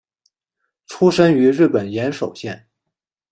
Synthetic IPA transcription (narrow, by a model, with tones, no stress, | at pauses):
ʈ͡ʂʰu˥ʂə˥ny˧˥ɻɻ̩˥˩pə˨˩njɛ˧˥nʂo˨˩ʊɕjɛ˥˩n